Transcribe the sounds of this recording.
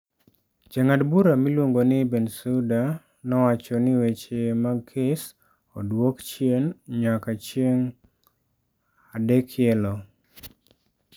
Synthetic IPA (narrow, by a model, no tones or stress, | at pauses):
d͡ʒaŋadbuɾamilwoŋɡonɪbɛnsuda | nɔwat͡ʃɔnɪwet͡ʃemakʰɪs | o̰dwokt͡ʃjenɲakat͡ʃjeŋ | adɛkʰjɛlɔ